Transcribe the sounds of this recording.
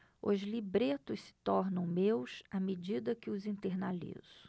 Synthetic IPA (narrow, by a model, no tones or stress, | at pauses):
ʊ̰zlibɾet̪ʊssɪ̥t̪ɔɾnɐ̃w̃mewsamed͡ʒid̪ɐkɪʊzĩt̪eɾnalḭz̥ʊ̥